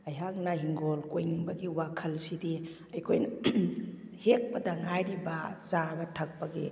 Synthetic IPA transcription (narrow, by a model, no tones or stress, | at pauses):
ɐjɦak̚naɦiŋɡolkojniŋbɐɡiwakʰɐlsidi | ɐjkʰojn | hek̚pɐdaŋajɾibazabɐtʰɐk̚paɡḛ